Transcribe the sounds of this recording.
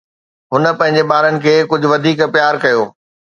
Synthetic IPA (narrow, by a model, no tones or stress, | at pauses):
ɦʊnə̆pɐ̃ɦɪ̃ɲ̆d͡ʑeɓaːɾənɪ̆kʰeːkʊd͡ʑʱʊʋɐd̪ʱiːkpjaːɾkɐjoː